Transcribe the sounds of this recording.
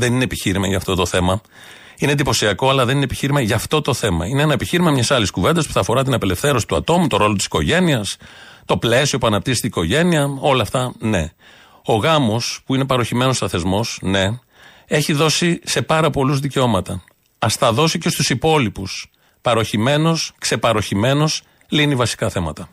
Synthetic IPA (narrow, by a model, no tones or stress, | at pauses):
ðe̞ninepiçiɾimɐʝɐːft̪o̞t̪o̞θe̞mɐ | ined̪ipo̞siɐko̞ɐlɐðe̞ninepiçiɾimɐʝɐft̪o̞t̪o̞θe̞mɐ̰ineenɐepiçiɾimɐmɲɐsɐliskuve̞nd̪ɐspu̥θɐfo̞ɾɐt̪inɐpe̞le̞fθe̞ɾo̞si̥t̪uɐ̰t̪o̞mut̪o̞ɾo̞lo̞t̪isi̥ko̞ʝe̞niɐst̪o̞ple̞sio̞puɐnɐp̚t̪iset̪iiko̞ʝe̞niɐo̞lɐft̪ɐne̞ | o̞ɣɐmo̞spuine̞pɐɾo̞çime̞nost̪ɐθe̞zmo̞sne̞ | e̞çiðo̞sise̞pɐɾɐpo̞luzðice̞o̞mɐt̪ɐ | ɐst̪ɐðo̞sicest̪usipo̞lipus | pɐɾo̞çime̞no̞skse̞pɐɾo̞çime̞no̞s | linivɐsi̥kɐθe̞mɐt̪ɐ